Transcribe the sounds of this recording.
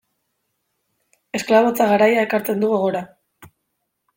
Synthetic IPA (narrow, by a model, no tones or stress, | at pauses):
e̞sklaβo̞t͡saɣaɾajae̞kaɾt͡s̪e̞nd̪uɣoɣ̞o̞ɾa